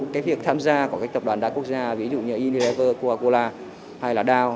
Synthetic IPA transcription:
kaː˨˦k̚vi˨˩əkt̪ʰaː˧mzaː˧kkaː˦˥k̚t̪ə˨˩p̚ɗwaː˨˩nɗa̰ː˧˦ku˦˥ək̚zaː˧vi˨˦zṵ˧˨ɲəː˧ʔi˧ni˧lɛ˧˥vəː˧kaː˧ko˧laː˧ | ha˧jlaː˨˩ɗaː˧w

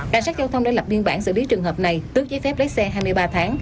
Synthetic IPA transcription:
kaː˧˩ŋsaː˦˥t̚za˧wt̪ʰə˧wŋ͡mɗoː˧˩jlə˨˩p̚i˧ənɓaː˧˩nsɨ̰˧˥li˨˦t͡ɕɨ˨˩əŋɦəː˨˩p̚na˨˩jt̪ɨ˨˦˥ək̚t͡ɕɔ˨˦jfɛ˦˥p̚lə˨˦˥sɛ˧ɦaː˧jmɨ˧əjɓaː˧t̪ʰaː˨˦ŋ

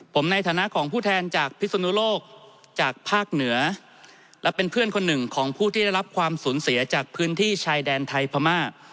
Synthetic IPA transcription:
pʰo˩˦mna˧jt̪ʰaː˩˦na˦˥ʔkʰɔː˩˦ŋpʰuː˥˩t̪ʰɛː˧nt͡ɕaː˨˩k̚pʰi˦˥so˧nu˦˥loː˥˩k̚ | t͡ɕaː˨˩k̚pʰaː˥˩k̚nɯ˨˩˦ɐ | lɛ˦˥pe˧npʰɯ˥˩ənkʰo˧nːɯ˨˩ŋkʰɔː˩˦ŋpʰuː˥˩t̪ʰiː˥˩a˥˩jla˦˥p̚kʰwaː˧msuː˩˦nsi˩˦ɐt͡ɕaː˨˩k̚pʰɯː˦˥nt̪ʰiː˥˩t͡ɕʰaː˧jdɛː˧nt̪ʰa˧jpʰa˧maː˥˩

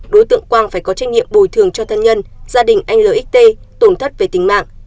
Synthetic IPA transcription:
ɗo˨˦jt̪ɨ̰˧˨əŋkwaː˧ŋfaː˧˩jkɔ˨˦t͡ɕa˧jŋ̟ɲḭ˧˨əmɓu˨˩jt̪ʰɨ˨˩əŋt͡ɕɔ˧t̪ʰə˧nɲə˧nz̥aː˧ɗï˨˩ŋ̟ʔa˧ŋ̟ləː˨˩ʔi˦˥k̚t̪e˧ | t̪o˧˩nt̪ʰə˦˥t̚ve˨˩t̪ï˨˩ŋma̰ː˧˨ŋ

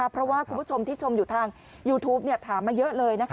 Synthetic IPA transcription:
a˦˥pʰːɾɔ˦˥waː˥˩kʰu˧mbt͡ɕʰo˧mt̪iː˥˩t͡ɕʰo˧mjuː˨˩t̪ʰaː˧ŋ | juː˧t̪ʰuː˦˥p̚ni˥˩ɐt̪ʰaː˩˦mːaː˧˩jɤ˦˥ʔlɤː˧jna˦˥kʰ

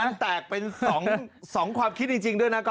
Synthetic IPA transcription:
nt̪ɛː˨˩k̚pe˧nsɔː˩˦ŋ˧sɔː˩˦ŋkʰwaː˧mkʰi˦˥t̪̚t͡ɕi˧ŋt͡ɕi˧ŋdu˥˩əjna˦˥kɔ˥

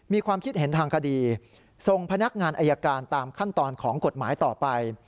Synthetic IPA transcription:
miː˧kʰwaː˧mkʰi˦˥t̪̚he˩˦nt̪ʰaː˧ŋkʰa˧diː˧ | so˧ŋpʰa˧na˦˥k̚ŋaː˧nʔaː˧jːaː˧kaː˧nt̪aː˧mkʰa˥˩nt̪ɔː˧nkʰɔː˩˦ŋko˨˩t̪̚maː˩˦jt̪ɔː˨˩pa˧j

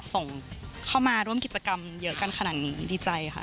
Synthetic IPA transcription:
so˨˩ŋkʰa˥˩wmaː˧ɾu˥˩əmki˨˩t̪̚t͡ɕa˧ka˧mjɤ˦˥ka˧nkʰa˧naː˨˩t̪̚niː˦˥diː˧t͡ɕa˧jʰa̰˦˩

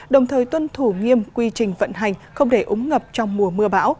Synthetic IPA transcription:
ɗə˨˩wŋ͡mt̪ʰəː˨˩jt̪wə˧nt̪ʰu˧˩ŋi˧əmkwi˧t͡ɕï˨˩ŋ̟və̰˧˨nɦa˨˩jŋ̟xə˧wŋ͡mɗe˧˩ʔʊ˨˦ŋ͡mŋə˨˩p̚t͡ɕɔ˧wŋ͡mmu˨˩əmɨ˧əɓa̰ː˧˥w

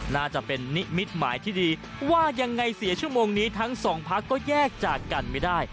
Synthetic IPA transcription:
naː˥˩t͡ɕa˨˩ʔpe˧nːi˦˥mi˦˥t̪̚ma̰ː˩˦jt̪ʰiː˥˩diː˧ | waː˥˩ja˧ŋːa˧jsi˨˩˦ɐt͡ɕʰu˥˩moː˧ŋniː˦˥t̪ʰa˦˥ŋsɔː˩˦ŋpʰa˦˥kːɔː˥˩jɛː˥˩k̚t͡ɕaː˨˩kːa˧nma˥˩jdaː˥˩j

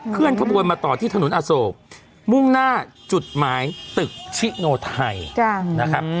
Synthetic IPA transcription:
kʰɯ˥˩ənkʰa˧bu˧ənmaː˧t̪ɔː˨˩t̪ʰiː˥˩a˧nu˩˦nʔaː˧soː˧˨k̚ | mu˥˩ŋnaː˥˩ | t͡ɕu˨˩t̪̚maː˦jt̪ɯ˨˩k̚t͡ɕʰi˦˥ʔnoː˧t̪ʰa˧jna˦˥kkʰa˦˥p̚

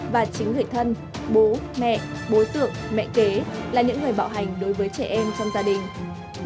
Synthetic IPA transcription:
vaː˨˩t͡ɕï˨˦ŋŋɨ˨˩əjt̪ʰə˧n | ɓo˨˦mɛ̰˧˨ʔɓo˨˦t̪ɨ˧˩ək̚mɛ̰˧˨ke˨˦laː˨˩ɲɨ̰˧˥ŋːɨ˨˩əjɓa̰ː˧˨wɦa˨˩jŋ̟ɗo˨˦jvəː˨˦jt͡ɕɛ̰˧˩ʔɛ˧mt͡ɕɔ˧wŋ͡mzaː˧ɗï˨˩ŋ̟

